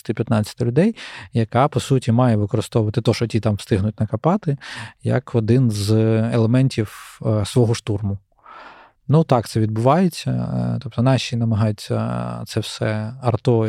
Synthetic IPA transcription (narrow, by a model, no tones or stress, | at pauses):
t̪ɪpʲjɐt̪nɑt͡sʲːɐ̥t̪ɪlʲʊd̪ɛjjɐkɑpɔsutʲimɑjɛʋɪkɔɾɪst̪ɔʋʊʋɐt̪ɪt̪ɔʃɔtʲit̪ɑmst̪ɪɦnʊt̚ʲnɐkɐpɑt̪ɪjɐ̰kʰɔd̪ɪnzelˠemɛnʲtʲiwsʋɔɦɔʃt̪urmʊ | nut̪ɑkt̪sɛʋʲid̪bʊʋɑjet͡sʲːɐ̰t̪ɔp̚t̪ɔnɑʃʲinɐmɐɦɑjʊt͡sʲːɐ̰t̪sɛfsɛɐrt̪ɔ